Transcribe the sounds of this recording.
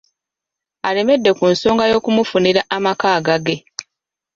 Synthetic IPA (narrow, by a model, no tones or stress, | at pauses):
ale̞me̞dːe̞kunso̞ːŋɡajo̞ːkumufuniɾaʔamakaːɡaɡe̞